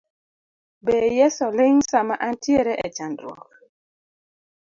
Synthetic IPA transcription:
bejɛsɔleŋsamaʔantjeɾɛʔɛt͡ʃandɾwɔ̰k̚

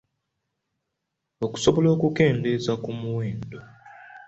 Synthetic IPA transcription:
oku̥so̞βo̞lo̞ːkuke̞ːnde̞zakumuweːndo

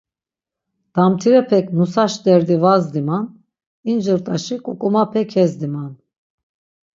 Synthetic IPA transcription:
d̪̥amt̪ʰiɾɛpʰɛkʰnusaʃd̪ɛɾd̪ivazd̪iman | ind͡ʒɨɾt̪ʼaʃikʼukʼumapʰɛkʰɛzd̪iman

